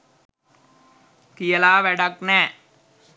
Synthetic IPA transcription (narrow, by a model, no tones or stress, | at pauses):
kɪjɐlaːʋɛɽɐknɛ